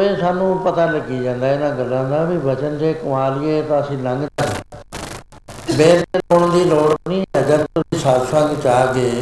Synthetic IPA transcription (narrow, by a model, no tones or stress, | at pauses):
eːsaːnũːpət̪aːləɡiːd͡ʒãːnd̪aːɪnãːɡəlːãːd̪aːbibət͡ʃənd͡ʒeːkʊmaːlɪjeːt̪ãːəsĩːlə̃ŋɡa | beːleːoːɳd̪iːloːɽpniːəɡəɾt̪ʊsĩːsadsə̃ŋɡt͡ʃaːɡeː